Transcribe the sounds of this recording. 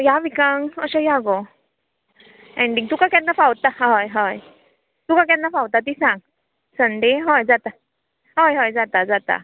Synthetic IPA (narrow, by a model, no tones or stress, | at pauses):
jaʋikaŋəɕajaɡɔ | ɛ̃ɳɖiŋt̪ukakãnːafawt̪aɦɔjɦɔj | t̪ukãk̬jãnːafawt̪at̪isãŋ | sənd̪eɦɔjd͡zat̪a | ɦɔjɦɔjd͡zat̪ad͡zat̪a̰